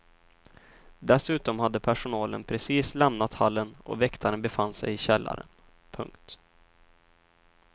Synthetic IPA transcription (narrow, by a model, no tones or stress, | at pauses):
d̪ɛsʉ̟ːt̪ɔmhad̪ːəpʰæʂʊnɑːlə̰npʰɾɛsiːslɛmnat̪halːənʔɔ̰vɛkt̪ʰaɾənbɛfanːsɛ̰jɪɕɛlːa̰ɾə̰n | pʰɵ̰ŋkt̪